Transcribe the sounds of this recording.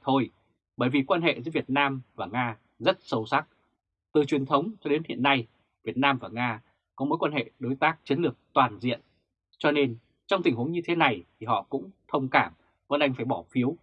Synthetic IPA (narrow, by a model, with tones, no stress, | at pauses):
t̪ʰo˧j | ɓəː˧˩jvi˨˩kwaː˧nɦḛ˧˨zɨ̰˨˧˦vi˨˩ət̚naː˧mvaː˨˩ŋaː˧ | zə˦˥t̚sə˨˧wsa˦˥k̚ | t̪ɨ˨˩t͡ɕwi˨˩ənt̪ʰə˨˦wŋ͡mt͡ɕɔ˧ɗe˨˦nhḭ˧˨ənːa˧j | vi˨˩ət̚naː˧mvaː˨˩ŋaː˧ | kɔ˨˦mo˨˦jkwaː˧nhḛ˧˨ɗo˨˦jt̪aː˦˥k̚t͡ɕi˨˦nlɨ˨˩ək̚t̪waː˨˩nzḭ˧˨ən | t͡ɕɔ˧ne˧n | t͡ɕɔ˧wŋ͡mt̪ï˨˩ŋ̟hu˨˦əŋɲɨ˧t̪ʰe˨˦na˨˩jt̪ʰi˨˩ɦɔ̰˧˨kʊ̰˧˥ŋ͡mt̪ʰə˧wŋ͡mkaː˧˩m | vnʔa˧jŋ̟faː˧˩jɓɔ˧˩fi˨˦əw